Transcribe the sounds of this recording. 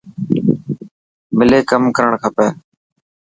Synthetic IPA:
mɪleːkəmkəɾəɳkʰəpeː

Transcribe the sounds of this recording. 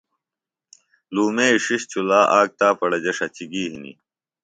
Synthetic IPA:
luːmeiʂiɕt͡ɕulaːʔaːk̚t̪aːpɐɽɐd͡ʑɐʂɐt͡ɕiɡiːɦinḭ

